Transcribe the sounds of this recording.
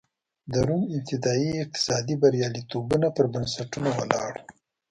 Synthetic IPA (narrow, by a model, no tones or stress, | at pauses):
d̪aɾumɪmt̪ɪd̪ɑiɪq̚t̪ɪ̥sɑd̪ibaɾjɑlit̪obunapəɾbansaʈunowa̰lɑ̰ɽ